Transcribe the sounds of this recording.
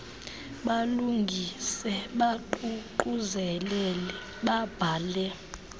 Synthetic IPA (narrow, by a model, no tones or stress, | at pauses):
ɓaluŋɡʱisɛɓaǃuǃuzɛlɛlɛ | ɓab̥ʱaːlɛ